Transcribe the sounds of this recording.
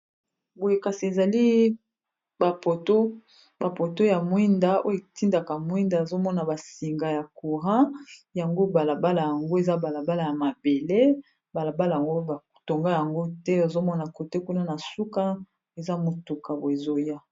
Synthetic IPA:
bo˨je˨ka˨si˨e˨za˨li˦ | ba˨po˨to˦ | ba˨po˨to˦ja˨mwi˦nda˦o̰˦jti˦nda˨ka˨mwi˦nda˨e˨zo˦mɔ˦na˨ba˨si˨ŋɡa˨ja˨ku˨ʁã˦ja˨ŋɡo˦ba˨la˨ba˦la˨ja˨ŋɡo˦e˨za˦ba˨la˨ba˦la˨ja˨ma˨be˨le˦ | ba˨la˨ba˦la˨ja˨ŋɡo˦ba˨to˨ŋɡa˦ja˨ŋɡo˦tɛ˦o˨zo˦mɔ˦na˨ko˨te˦ku˦na˦na˨su˦ka˦ | e˨za˦mo˨tu˨ka˨bo˨e˨zo˦ja˦

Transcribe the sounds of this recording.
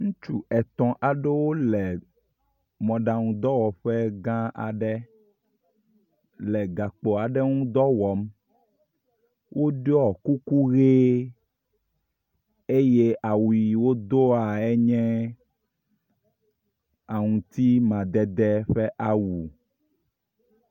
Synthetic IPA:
ŋũ˦t͡ʃu˨ɛ˨t̪ɔ̃˨ʔa˨ɖe˦wo˦lɛ˨ | mɔ̃˨ɖa˨ŋũ˨d̪ɔ˦wɔ˨ɸɛ˦ɡã˦a̰˨ɖɛ˦ | lɛ˨ɡa˨k͡po˨a˨ɖɛ˦ŋũ˦d̪ɔ˦wɔ˨m | wʔo˦ɖɔ˨ku˦ku˦ɣe˦ | e˦je˦ʔa˨wu˨i˨wo˦d̪o˦a˨ɛ˦ɲɛ̃˦ | a˨ŋũ˨t̪i˦mã˨d̪ɛ˨d̪ɛ˦ɸɛ˦ʔa˦wu˨

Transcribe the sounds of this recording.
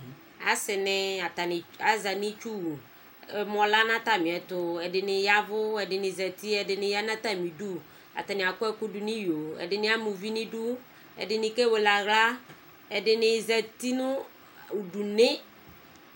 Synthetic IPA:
a˨˦sɪ˨nɪ˦a˨ta˨nɪ˨a˨za˨nɪ˦t͡ʃu˦wu˨ | ɛ˨m˨ɔ˨la˦nã˦ta˨mɪ̃˨ɛ˨tʊ˨ɛ˨dɪ˨nɪ˨ja˦vʊ˦ɛ˨dɪ˨nɪ˨zɛ˨ti˦ɛ˨dɪ˨nɪ˦ja˦nã˦ta˨mi˨du˦ | a̰˨ta˨nɪ˨a˨kʊ˦ɛ˦kʊ˦du˨nɪ˦jo˨ɛ̰˨dɪ˨nɪ̃˦a˦mʊ˨vi˦nɪ̃˦du˦ | ɛ̰˨dɪ˨nɪ˨kɛ˦we˨la˨ɣla˦ | ɛ˨dɪ˨nɪ˨zɛ˨ti˦nʊ˦ | u˨du˨nɪ˦

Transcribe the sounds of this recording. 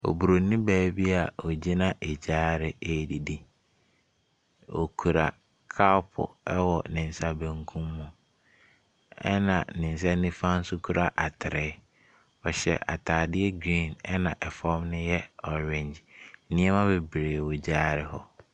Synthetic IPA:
ɔ̰˨bu˨ɾo˨nĩ˦bæː˦bi˦a˨o˨d͡ʑe˦nã˨ʔe˨d͡ʑaː˦ɾɪ˨e˦˨di˨di˦ | o̰˨kʰu˨ɾa˨ | kʰa˦pʰʊ̰˨ɛ˦wɔ˨nɪ̃˨n˦sa˦˨bẽ˨ŋkʰũ˦mːũ˨ | ɛ˦nã˨nɪ̃˨n˨s̬a˦nĩ˦fã˦n̩˦sʊ˦kʰu˦ɾa˨ʔa˨tʰɪ˨ɾɛ˨˦ | ɔ˨ɕɛ̰˨ʔa̰˨tʰaː˨dɪ˦ɛ˦ɡɾĩ˦˨nɛ˦nã˨ʔɛ˨fɔ˦mnɪ̃˦jɛ˦ɔ˨ɾɛ̃˨ɲd͡ʑ̩˦nĩ˦ɛ˦mã˦be˨bɾeː˨wo˨d͡ʑaː˦ɾɪ˦hɔ̰˦

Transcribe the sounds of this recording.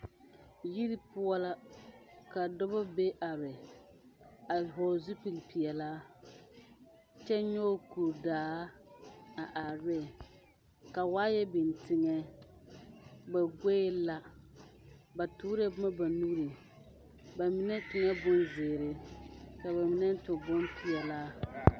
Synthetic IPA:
ji˦ɾi˦pʊ˦ɔ˦la˦ | ka˨dɔ˦ba˦be˦ʔa˨ɾɪ˨ | a˨ɦɔ˨zu˦pi˨lpi˨ɛ˨laː˦ | t͡ʃɛ˦ɲɔː˦ku˨ɾdaː˨˦a˨ʔa˨ɾɪ˦˨ | ka˨waː˦jɛ˦bɪ˨ntɪ˨ŋɛ˦ | ba˨ɡʷeː˦la˦ | ba˨tʊː˦ɾe˦bma˦ba˨nu˦ɾe˨ | ba˨mɪ˨˦nɛ˦tɪ˨ŋɛ˦bʊ˦nzɪː˨ɾɪ˦ka˨ba˨mi˨nɛ˦n˦tʊ˨bʊ˦npʰi˨ɛ˨laː˦

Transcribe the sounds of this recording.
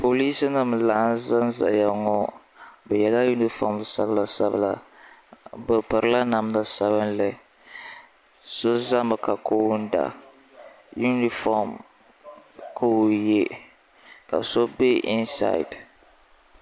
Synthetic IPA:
po˨li˦sɨ˦nɨ˦mlaː˨˦nza˦n˦za̰˨ja˨ŋɔ˦ | bɛ˨jɛ˨la˦ju˦ni˦fɔ˨m˦sa˦bla˨sa˦bɨ̰˦la̰˨ | bɨ˨pɨ˨ɾɨ˦la˦na˨m˦na˦sa˦bɨ˦nlɛ˦ | so˦za˦mɨ˨ka˨ko˦wn̩˦da̰˨ | ju˦ni˦fɔ˦m | kʰo˦˨je˦ | ka̰˨so˦be˦i˦nsa̰˦˨ḭ˨d

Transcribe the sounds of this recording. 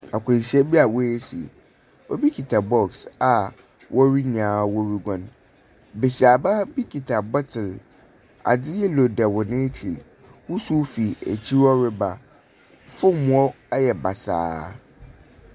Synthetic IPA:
a˨kʷʰʊ̃˨ɲ˨ɕɛ˦bi˦a˨wɔ˦e˦si˨ḛ˨ | wʔɔ˦bi˦kʰi˨tʰa˨bɔ˦ksa˨ | wʔɔ˦ɾi˦ɲãː˨˦wɔ˦ɾi˦ɡɔ̃˦n | be˨si˨a˨ba˦bi˦kʰi˨tʰa˨bɔ˦tʰɪ˨l | a̰˨d͡zɪ˦jɛ˦lo˨dɛ˨wɔ˨nẽ˦tʰi˨l | wʊ˦su˦fi˨æ̰˨t͡ɕʰi˦ɔ˦ɾɪ˦ba˨ | fʊ˦m̃˨˦ɔ˦ | jɛ˨ba˨sa̰ː˦

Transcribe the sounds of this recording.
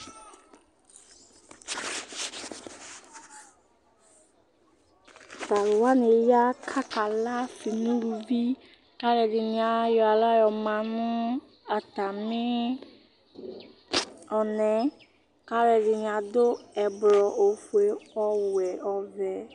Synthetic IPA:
sa˨lʊ˨wa˦ne˨ja˦kʰa˦ka˨la˦fi˨nũ˦ɾu˨vi˦ | ka˦ɾɛ˨dɪ˨nɪ˨a˨jɔ˨a˨la˦jɔ˨mã˨nʊ̃˦ | a˨ta˨mɪ˦ | ɔ˨nɛ̃˨˦ | ka˦ɾɛ˨dɪ˨n˨a˨dʊ˦ɛ˨blɔ˨ʔo˨fu˨e˨ɔ˦wɛ˨ʔɔ˨vɛ˨

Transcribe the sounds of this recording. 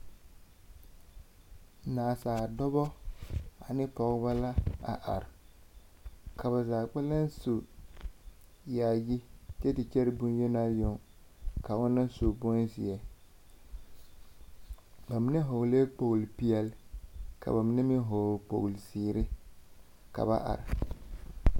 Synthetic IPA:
naː˨saː˨dɔ˦bɔ˦ | a˨nɪ˦pɔ˨ɣɪ˦ba˦la˦a̰˨ʔa̰˨ɾɪ˨ | kʰa˨βa˨zaː˨k͡pa˦la˦nso˨ | jaː˨ji˦t͡ʃɛ˦tɪ˨t͡ʃɛ˦ɾɪ˦bʊ˦n˦je˦naː˦jʊ˨ŋ | ka˨ʊ˦nːa˦n˦so˨bo˦nsɪ˨ɛ˨ | ba˨mɪ˦nɛ˦ɦo˨ɣle˦k͡po˨ɣlpi˦ɛ˦lka̰˨ba˨mɪ˦nɛ˦mɪ˦ɦo˨k͡po̰˨ɣlsiː˨ɾɪ˦ | ka̰˨ba̰˦ʔa̰˨ɾɪ˨

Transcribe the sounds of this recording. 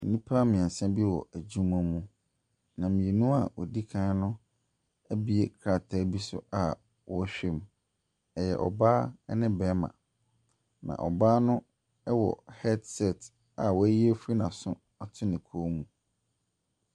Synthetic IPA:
m̩˨nĩ˦pʰa˦mɪ̃˨ɛ̃˨sɛ̃˦bi˦wɔ̰˨ʔæ˨d͡ʑũ˦ma˦mũ˨ | nã˨mɪ̃˨e˨nũ˦a˨wɔ̰˨di˦kʰãː˦nʊ̃˦ | æ˦bi˦e˦kʰɾa˨tʰaː˦bi˦sʊ̰˦a˨ | wɔ˦ɕᶣe˦m | ɛ˨jɛ̰˨ʔɔ̰˨baː˦ɛ˦nɪ̃˦bɛ˨˦mã̰˨ | nã̰˨ʔɔ˨baː˦nʊ̃˦ | ɛ˦wɔ̰˨hɛ˦dsɛ˦˨t | a˨wɔ˨æ˦ji˦e˦fu˦ɾi˦nã˨sʊ̃˦ | a˨tʰʊ˦nɪ̃˨kʰo˦mũ˨

